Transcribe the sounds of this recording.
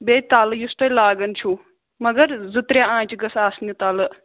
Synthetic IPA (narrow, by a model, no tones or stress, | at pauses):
beːt̪aːljust̪ɐlaːɡɐnt͡ʃʰuː | mɐɡɐɾzɪt̪ɾjaãːt͡ʃɡɐsaːsnjɐt̪aːlɨ